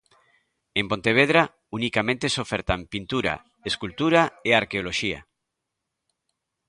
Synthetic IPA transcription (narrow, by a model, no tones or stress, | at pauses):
empont̪eβ̞eð̞ɾa | unikamẽnt̪esofeɾt̪ampint̪uɾa̰ | eskult̪uɾaeaɾkeoloʃia̰